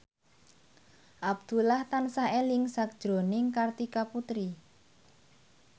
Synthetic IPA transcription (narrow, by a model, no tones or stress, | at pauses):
ʔab̚d̪̥ṳlaht̪ansaʔelɪŋsak̚d̥ʒ̥ɾo̤nɪŋkart̪ikaput̪ɾi